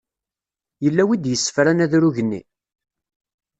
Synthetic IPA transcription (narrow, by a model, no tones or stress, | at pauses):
jəlːæwid̪jəsːə̥fɾænæðɾuʝənːḭ